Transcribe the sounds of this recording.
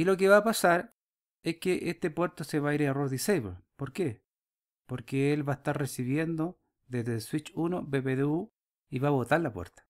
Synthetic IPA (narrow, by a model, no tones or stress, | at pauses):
ilo̞k̬eβaːpasaɾ | eskeʔest̪epwe̞ɾt̪oseβaiɾaroɾðisejβelpoɾke | poɾkeelβaest̪aɾresiβjend̪o | ðezðeswit͡ʃunobeβeðeu | iβaβot̪aɾlapwḛɾt̪ḁ